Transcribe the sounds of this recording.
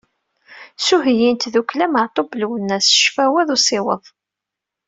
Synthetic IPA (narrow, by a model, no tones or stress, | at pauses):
suɦjint̪ðuklæməʕt̪ˤoblwənːæsʃfæwæðˤusˤɪwəðˤ